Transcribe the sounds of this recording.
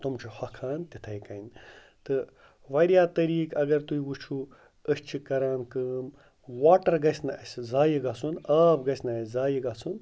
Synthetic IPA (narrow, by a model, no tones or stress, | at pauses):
t̪umt͡ʃʰihɐkʰaːnt̪it̪ʰɐjkɐjn | t̪ɨ | ʋɐɾjaːt̪ɐɾiːkɐɡɐɾt̪uiwut͡ʃʰu | əst͡ʃʰikɐɾaːnkɨːm | waːʈɐɾɡɐsʲnɐɐsʲzaːjiɡɐsunaːbɡɐsʲnɐɐsʲzaːjiɡɐsun